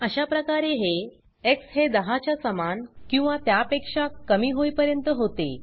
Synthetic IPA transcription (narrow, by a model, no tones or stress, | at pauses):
əɕapɾəkaɾeɦe | eksɦed̪əɦat͡ɕjasəmankĩw̃ʋat̪japekʂakəmiːɦojpəɾjənt̪əɦot̪ḛ